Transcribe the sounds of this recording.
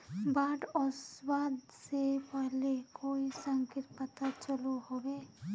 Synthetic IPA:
baːɖɔːswaːd̪ | sepɛɦlekoːisə̃ŋkɪɾpət̪at͡ʃəluɦoːɡeː

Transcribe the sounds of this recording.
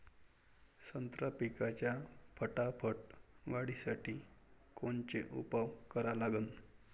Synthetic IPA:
sənt̪ɾapikat͡ɕjapʰəʈapʰəʈʋaɽisaʈʰiːkoɳt͡ɕḛʔṵpaʋkəɾalaɡən

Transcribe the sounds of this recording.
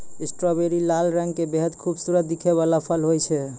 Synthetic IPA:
isʈɾɔβeɾilalɾɛ̃ŋɡkebeɦəd̪kʰubsuɾət̪̚d̪ikʰeβalapʰəlɦojt͡ʃʰɛ

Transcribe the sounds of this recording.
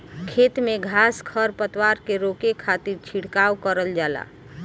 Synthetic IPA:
kʰet̪meɡʱaskʰəɾpət̪waɾkeɾokekʰat̪iɾt͡ʃʰiɽkawkəɾəld͡ʒala̰

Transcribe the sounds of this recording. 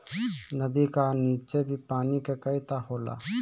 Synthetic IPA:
nəd̪iːkaːniːt͡ʃeːbʱiːpaːnikeːkəiːt̪aːɦoːla̰ː

